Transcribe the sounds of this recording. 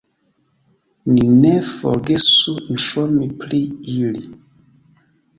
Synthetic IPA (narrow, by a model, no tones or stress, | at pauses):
ninefo̰ɾɡesun̩ʃomipliili